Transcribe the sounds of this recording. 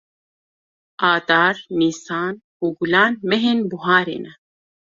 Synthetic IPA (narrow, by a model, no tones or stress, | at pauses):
aːd̪aːɾmiːsaːn | uːɡulaːnmɛɦeːnbuɦaːɾḛːnɛ